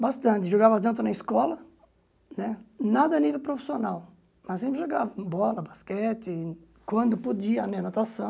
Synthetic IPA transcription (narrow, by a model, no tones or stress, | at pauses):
bast̪ɐ̃nt̪ɪʒoɡavɐt̪ɐ̃nt̪ʊnɐiskɔlɐ | nɛnad̪ɐːnivewpɾofi̥sionaw | mɐssẽmpɾɪʒoɡavɐbɔlɐbaskɛt͡ʃ̪ɪ | kwɐ̃nd̪ʊpod͡ʒiɐːmĩɲɐnat̪asɐ̃w̃